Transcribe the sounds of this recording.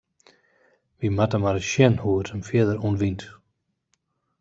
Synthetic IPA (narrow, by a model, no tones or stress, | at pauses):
ʋimatəmaɾəʃɛnhuətʰənfjiədəɾunʋint